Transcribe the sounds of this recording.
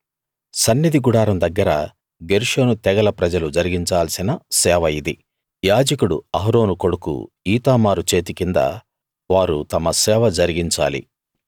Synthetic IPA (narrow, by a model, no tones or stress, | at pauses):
sɐnːid̪iɡuɽaːɾɐmd̪ɐɡːɐɾɐ | ɡeɾʂoːnut̪ɛɡɐlɐpɾɐd͡ʒɐlud͡ʒɐɾiɡiɲt͡ʃaːlɐsinɐsɛːʋɐjid̪i | jaːd͡ʒɐkuɽuɐɦɐɾo̞ːnuko̞ɽukṵ | iːt̪aːmaːɾut͡ʃe̞ːt̪ikind̪ɐ̰ | ʋaːɾut̪ɐmɐsɛːʋɐd͡ʒɐɾiɡiɲt͡ʃa̰ːlḭ